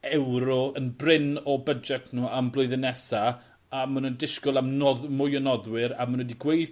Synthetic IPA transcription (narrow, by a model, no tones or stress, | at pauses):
ɛwɾɔənbrɪnɔbəd͡ʒɛtʰnuːamblˠʊɨðɪnɛsa | amənundɪʃkʊlˠamnɔðmʊjɔnɔðwɪɾamənwədiɡwejθ